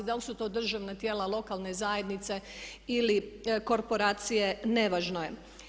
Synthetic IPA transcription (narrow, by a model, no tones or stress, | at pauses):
d̪alsut̪o̞ːd̪r̩ʒaʋnat̪je̞ːlalˠo̞kalˠne̞zaːje̞d̪nit̪se̞iliko̞ɾpo̞ɾaːt̪sije̞ne̞ʋaːʒnoje̞